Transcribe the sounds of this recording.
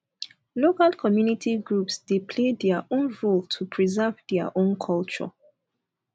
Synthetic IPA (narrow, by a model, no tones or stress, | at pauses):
lokalkʰɔmjunitʰiɡɹupsdepʰledɛəʔõnɹoltʰupʰɹizavdɛə̰ʔõnkʰɔlt͡ʃɔ̰